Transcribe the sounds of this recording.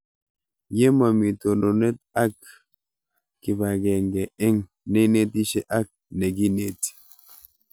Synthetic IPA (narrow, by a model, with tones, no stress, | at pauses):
je˦ma˨mi˨to˨no˨nɛ˦t̚a˦k̚ | ɪ˨ba˨ɡɛ˨ŋɡɛ˨ɛ˦ŋ | nɛ˦ne˦ti˦ʃe˦ʔa˦k̚nɛ˨ɡi˦ne˨t